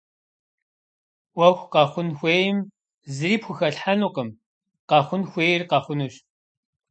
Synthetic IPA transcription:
wɐxʷqɑχʷʊnxʷeːjɪm | zɨɾiːpxʷʊxɐɬħanuqəm | qɑχʷʊnxʷeːjɪrqɑχʷʊnuɕ

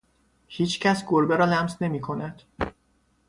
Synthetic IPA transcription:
hiːt͡ʃʰcʰæsɡoɾbeɾɒːlæmsne̞miːkʰo̞næd̪̥

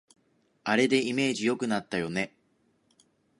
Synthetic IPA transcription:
aɾe̞d̪e̞ime̞ːʑijo̞kɯ̟nat̪ːajo̞ne̞

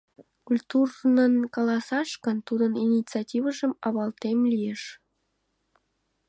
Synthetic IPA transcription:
kulʲt̪urnənkɑlˠɑsɑʃkənt̪ud̪əninʲit͡sɑtʲiβəʒə̆mɑβɑlt̪emlʲijeʃ

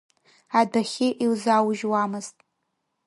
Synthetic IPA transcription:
adaχʲɪʔiwzawʒwamɨz̥tʼ

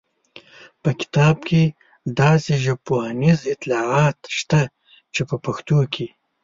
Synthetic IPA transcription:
pəkɪ̥t̪ɑːbkʰe | d̪ɑːseʒɐpoɑnizɪt̪lɑːʕɑːt̪ʃt̪a | t͡ʃepəpɐxt̪oːkʰe

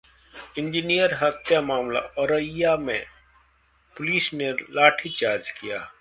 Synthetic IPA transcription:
ɪ̃ɲd͡ʒinijəɾɦɐt̪ʰjamaːmla̰ɔɾəjamḛ̃ | pʊliːsnelaːʈʰit͡ʃaːɾd͡ʒkija̰ː

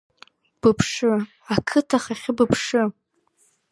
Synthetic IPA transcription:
b̥ɨpʰʂɨ | akʰɨtʰaχaχʲɪbɨpʰʂɨ

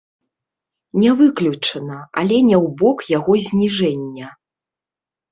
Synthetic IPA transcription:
nʲɛvɨklʲut͡ʂɐnɐa̰lʲɛnʲɛwbɔkjaɣɔzʲnʲiʐɛnʲːɐ

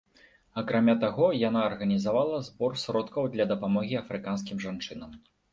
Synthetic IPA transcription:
ɐkɾamʲat̪aɣɔjan̪aːrɣɐnʲizavalˠɐzbɔrsɾɔt̪kɐwd̪lʲɐd̪ɐpamɔɣʲiɐfɾɨkans̬kʲimʐant͡ʂɨnɐm

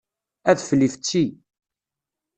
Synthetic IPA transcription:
æðfəlːift͡sːi

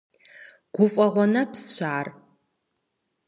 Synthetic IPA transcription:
ɡ̥ʷʊfʼɐʁʷɔnɐpsʃʷaːr

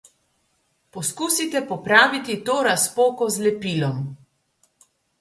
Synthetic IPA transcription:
pɔskuːsit̪ɛpɔpɾaːʋit̪it̪oːɾaspoːkɔzlɛpiːlɔm

